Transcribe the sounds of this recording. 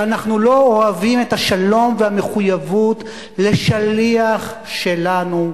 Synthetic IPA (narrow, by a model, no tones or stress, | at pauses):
anaχnulo̞oavimethaʃalo̞mvehame̞χujavut | le̞ʃaliaχ | ʃe̞lanu